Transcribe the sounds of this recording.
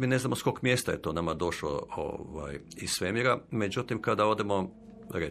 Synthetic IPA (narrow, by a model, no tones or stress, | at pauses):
miːne̞znamo̞skokmjest̪ajet̪oːnamad̪o̞ʃlo̰o̰ʋa̰ːjissʋemiɾame̞d͡ʑut̪imkad̪ao̞d̪emo | ɾe